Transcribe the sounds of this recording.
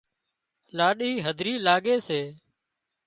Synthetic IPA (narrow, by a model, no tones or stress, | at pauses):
laːɗiːɦəd̪ʱɾiːlaːɠeːseː